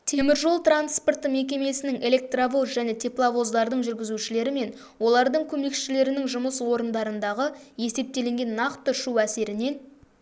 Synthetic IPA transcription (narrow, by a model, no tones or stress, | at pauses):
t̪ʰe̞mɪɾʒo̞lˠt̪ranspo̞rt̪əme̞kʲe̞me̞sɪnɪŋe̞lʲe̞k̚t̪ravo̞zʒæne̞t̪ʰeplˠavo̞zd̪ɑɾd̪əɴʒʏɾɡʲɪzuʃɪle̞ɾɪme̞n | wo̞lˠɑɾd̪əɴkʲʰɵme̞kʃɪle̞ɾɪnɪŋʒʊməswo̞ɾənd̪ɑɾənd̪ɑʁəje̞se̞p̚t̪e̞le̞ŋɡʲe̞nːɑqt̪əʃuæse̞ɾɪne̞n